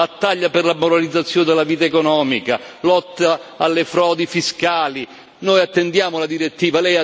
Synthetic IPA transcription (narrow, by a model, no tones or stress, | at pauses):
at̪ːaʎːapɪrlamoɾalid̪zːat̪sːjoːnd̪elːaviːt̪aekɔnɔːmikalɔt̪ːaːlːefɾɔːd̪ifiskaːli | noːjat̪ːend̪jaːmʊlad̪iɾet̪ːiːvalɛja